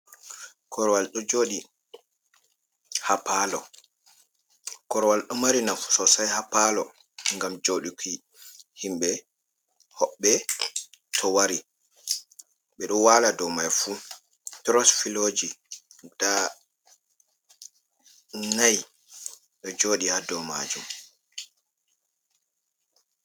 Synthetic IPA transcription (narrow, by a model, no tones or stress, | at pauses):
kʰɔɾɔwalɗɔd͡ʒoːɗi | hapalɔ | kɔɾwalɗɔmaɾinafu̥sɔsajhapalɔ̰ | ŋɡamd͡ʒoɗikʰi | himɓɛ | hɔɓːɛ | tʰɔwaɾi | ɓɛɗɔwaladɔmajfu | tɾɔsfilod͡ʒid̥a | naj | ɗɔd͡ʒoːɗihadɔma̰d͡ʒum